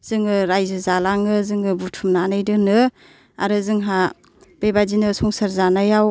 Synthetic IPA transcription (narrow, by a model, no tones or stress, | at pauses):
z̥ɯŋɯɾajzɯzalaŋɯzɯŋɯbutʰumnaːnajdɯnɯ | a̰ɾɯzɯŋɦa | b̥ebadinɯsɔŋsaɾzanajaw